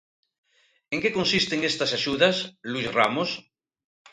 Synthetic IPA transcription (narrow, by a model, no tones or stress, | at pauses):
eŋkekonsist̪eŋest̪ɐsaʃuðɐsluizramos